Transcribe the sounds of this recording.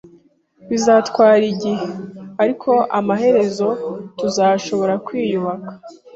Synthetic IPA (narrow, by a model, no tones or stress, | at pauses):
βizaːtkwaːɾiɟiheaɾikʰo̞ʔamaɦe̞ɾe̞zo̞tuzaʃo̞βo̞ɾakwiːjuβakḁ